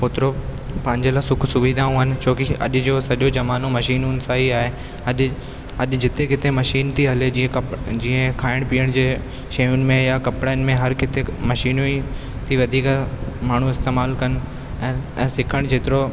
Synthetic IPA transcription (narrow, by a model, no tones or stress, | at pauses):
pot̪ɪɾo | pɐɦɪ̃ɲd͡ʑelaːsʊkʰsʊʋiːd̪ʱaːũɦənɪ̆t͡ɕʰoːkiɐ̰ɗʊ̆d͡ʑoːsɐɗjod͡ʑɐmaːnõmɐʃiːnʊnɪ̆saːɦiaːɦe | ɐɗ | ɐɗ̆d͡ʑɪt̪ekɪt̪emɐʃiːnt̪ʰiɦɐled͡ʑiːə̃ɐd͡ʑĩːə̃kʰaːɪɽ̃piːəɽ̃d͡ʑeː | ʃɐjʊnɪ̆mẽjakɐpɽaːnɪ̆mẽɦɐɾkɪt̪emɐʃiːnoi | t̪ʰiʋɐd̪ʱiːkmaːɳ̤uɪst̪eːmaːlkɐnɪ̆ | ɛ̃ːsɪkʰəɽ̃d͡ʑeːt̪ɪɾo